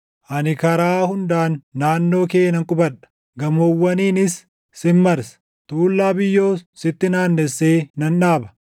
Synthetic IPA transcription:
ʔɐnɪkɐɾaːhʊnd̪aːnːaːnːo̞ːke̞ːnɐŋkʼʊbɐᶑɐ̥ | ɡɐmowːɐniːnɪsː | ɪmːɐɾsɐ̥ | t̪uːlːaːbɪjːo̞ːsɪt̪ːɪnaːnːɛsːe̞ːnɐnᶑaːbɐ̥

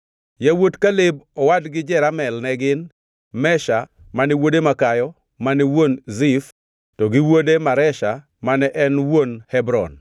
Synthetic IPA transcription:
jawotkalɪbɔwadɡɪd͡ʒɛɾamɛlnɛɡɪn | mɛʃa | manɛwodemakajɔ | maniwonzif | tɔɡɪwodemaɾɛʃa | manɛʔɛnwonhɛbɾɔ̰n

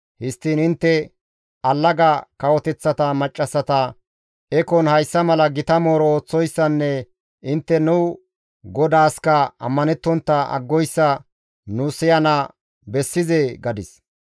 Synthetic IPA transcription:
hɪst̪ːiːnɪnt̪ːɛ | ɐlːɐɡɐkɐwɔt̪ɛt͡sːɐt̪ɐmɐt͡ʃʼːɐsːɐt̪ɐ | ɛkɔnhɐjsːɐmɐlɐɡɪt̪ɐmo̞ːɾɔoːt͡sːɔjsːɐnːɛ | ʔɪnt̪ːɛnʊ | ɡɔd̪aːskɐɐ̰mːɐnɛt̪ːɔnt̪ːɐɐ̰ɡːɔjsːɐ | nusɪjɐnɐ | bɛsːɪzeːɡɐd̪ɪs

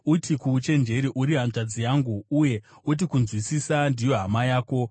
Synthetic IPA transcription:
utʰikut͡ʃe̞nd͡ʒe̞ɾiʔuɾiɦanʐad͡zijaːŋɡuːje̞ | ut̬ikunzwisisandijo̞ɦamajaːko̞

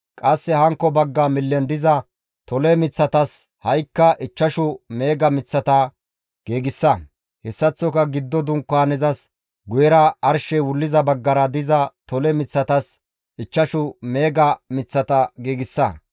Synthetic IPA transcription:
kʼɐsːɛhɐŋkːɔbɐɡːɐmɪlːɛnd̪ɪzɐ | t̪ɔlɛmɪt͡sːɐt̪ɐs | hɐjkːɐʔɪt͡ʃːɐʃʊmeːɡɐmɪt͡sːɐt̪ɐ | ɡ̥eːɡɪsːɐ | hɛsːɐt͡sːɔkɐɡɪd̪ːɔd̪ʊŋkːaːnɛzɐs | ɡʊjɛɾɐɐɾʃɛwʊlːɪzɐbɐɡːɐɾɐd̪ɪzɐt̪ɔlɛmɪt͡sːɐt̪ɐs | ɪt͡ʃːɐʃʊme̞ːɡɐmɪt͡sːɐt̪ɐɡeːɡɪsːɐ

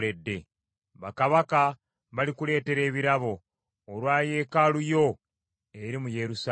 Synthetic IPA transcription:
e̞dːe̞ | βakaβaka | βalikule̞ːte̞ɾe̞ːβiɾaβo̞ː | lwaːje̞kalujo̞ | e̞ɾimuje̞ɾusa

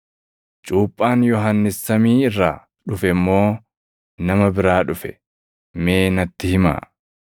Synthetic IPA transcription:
t͡ʃʼuːpʼːaːnjɔɦɐnːɪsːɐmiːɪrːaː | ᶑʊfɛmːo̞ː | nɐmɐbɪɾaːᶑʊfɛ̰ | meːnɐt̪ːɪhɪma̰ː

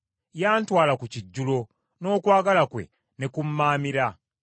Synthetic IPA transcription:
jaːntwaːlakuciɟːulo̞ | no̞ːkwaːɡalakwe̞̰ | ne̞kumːaːmiɾa

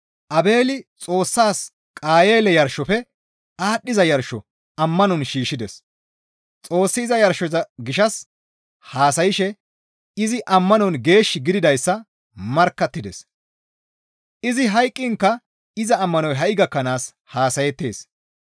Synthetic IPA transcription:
ʔɐbe̞ːlɪt͡sʼo̞ːsːaːs | kʼaːje̞ːlɛjɐɾʃːɔfɛ | aːɗːɪzɐjɐɾʃɔ | ɐmːɐnɔnʃiːʃːɪd̪ɛs | t͡sʼo̞ːsːɪːzɐjɐɾʃɔzɐɡɪʃɐs | haːsɐjɪʃɛ | ɪzɪʔɐmːɐnɔnɡe̞ːʃːɪɡɪd̪ɪd̪ɐjsːɐ | mɐɾkːɐt̪ːɪd̪ɛs | ʔɪzɪɦɐjkʼːɪŋkːɐ | ɪzɐːmːɐnɔjɦɐʔɪɡɐkːɐnaːs | haːsɐjɛt̪ːḛːs

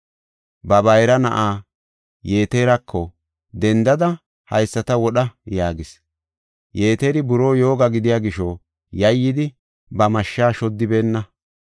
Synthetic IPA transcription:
bɐbɐjɾɐnɐ̰ʔaː | je̞ːt̪eːɾɐkʰːɔ | d̪ɛnd̪ɐd̪ɐ | hɐjsːɐt̪ɐwɔɗɐjaːɡɪs | jeːt̪eːɾɪbʊɾo̞ːjo̞ːɡɐɡɪd̪ɪjaːɡɪʃo | jɐjːɪd̪ɪ | bɐmɐʃːaːʃɔd̪ːɪbe̞ːnːɐ

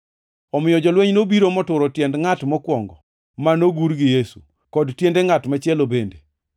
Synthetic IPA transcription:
ɔmɪjɔd͡ʒɔlweɲnobiɾomɔtʊɾɔtjɛndŋatmɔkwɔŋɡɔ̰ | manoɡuɾɡɪjesu̥̰ | kɔdtjendeŋatmat͡ʃɛlobende

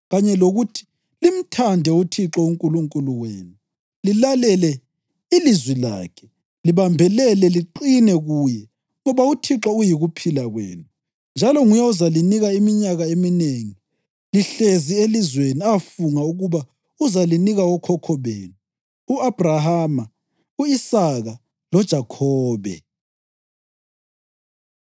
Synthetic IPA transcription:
ɣaɲɛloɣutʰi̥ | lim̩tʰandʱɛutʰiǁɔuŋkʼuluŋkʼuluwḛːnu | lilalɛlɛ | ilizwila̰ːkʰɛ̥ | liβambʱɛlɛlɛliǃinɛɣuːjɛ | ŋɔβautʰiǁɔujiɣupʰilaɣwḛːnu | nd͡ʒʱalɔŋujɛuzaliniɣaimiɲaɣaemineŋi | liɬezielizweniafuŋauɣuβa | uzaliniɣawɔkʰɔkʰɔβḛːnu | uab̥ʱraɦaːma | uisaɣa | lɔd̥ʒ̥ʱakʰɔːβɛ̰

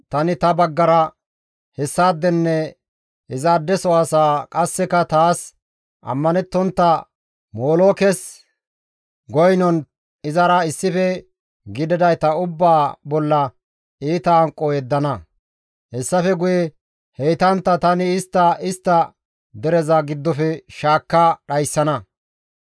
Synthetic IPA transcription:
t̪ɐnɪt̪ɐbɐɡːɐɾɐ | hɛsːaːd̪ːɛnːɛ | ɪzaːd̪ːɛsɔaːsaːkʼɐsːɛkɐt̪aːs | ʔɐ̰mːɐnɛt̪ːɔnt̪ːɐ | moːloːkɛs | ɡɔjnɔn | ɪzɐɾɐɪsːɪfɛ | ɡɪd̪ɛd̪ɐjt̪ɐʊbːaːbɔlːɐ | iːt̪ɐːŋkʼːɔjɛd̪ːɐnɐ | hɛsːɐfɛɡʊjɛ | hɛjt̪ɐnt̪ːɐt̪ɐnɪɪst̪ːɐɪst̪ːɐ | d̪ɛɾɛzɐɡɪd̪ːɔfɛʃaːkːɐɗɐjsːɐnɐ

